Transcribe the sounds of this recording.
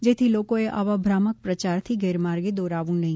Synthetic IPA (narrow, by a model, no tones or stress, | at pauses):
d͡ʒeːt̪ʰiloːkõeʔa̰ːʋabʱɾaːmək̚pɾət͡ʃaːɾt̪ʰiɡɛːɾmaːɾɡed̪ɔːɾaːʋũnɐɦĩː